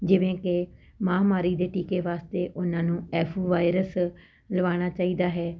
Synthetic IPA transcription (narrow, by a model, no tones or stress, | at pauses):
d͡ʒɪʋẽːkɪ | mãːmaːɾiːd̪eːʈiːkeːʋaːst̪eːʔʊnãːnũːɛːpʰuːʋaːɪɾəs | ləʋaːɽ̃aːt͡ʃaːiːd̪aːɦɛː